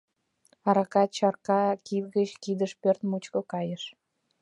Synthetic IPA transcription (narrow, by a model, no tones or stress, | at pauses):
ɑɾɑkɑt̪t͡ɕɑrkɑkivɣət͡ɕkid̪əʃpørt̪mut͡ɕkokɑjəʃ